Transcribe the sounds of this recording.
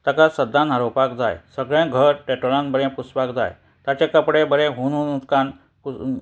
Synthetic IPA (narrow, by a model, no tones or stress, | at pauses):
t̪akasəd̪ːãnaɾopakd͡za̰jsəɡɭãɡʱəɾʈeʈoɭãnbəɾẽpusʋakd͡za̰j | t̪at͡ɕekəpɽebəɾẽɦuñunut̪kan | pu